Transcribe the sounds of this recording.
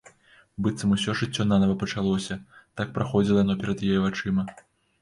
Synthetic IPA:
bɨt̪sɐmusʲɔʐɨt͡sʲːɔnanɐvɐpɐt͡ʂalˠɔsʲɐt̪ak̚pɾaxɔd͡zʲilˠjanɔpʲɛɾɐd̪jajɛvat͡ʂɨmɐ

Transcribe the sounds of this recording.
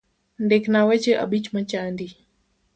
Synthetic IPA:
ndɛknawɛt͡ʃeʔa̰ɓit͡ʃmat͡ʃandi

